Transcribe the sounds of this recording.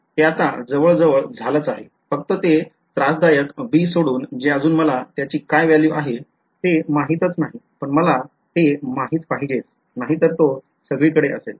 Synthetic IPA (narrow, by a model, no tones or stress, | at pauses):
t̪eat̪a̰d͡zəʋəɭd͡zəʋəɭd͡zʱalət͡saɦe | fək̚t̪ət̪e | t̪ɾasd̪ajəkʋiːsoɽuːnd͡ʑeəd͡zuːnməlat̪jat͡ɕiːkajʋjaliːʋaɦe | t̪emaɦit̪ət͡snaɦipəɳməla | t̪emaɦiːt̪paɦiɡet͡s | naɦit̪əɾt̪o | səɡɭiːkəɽeʔəsel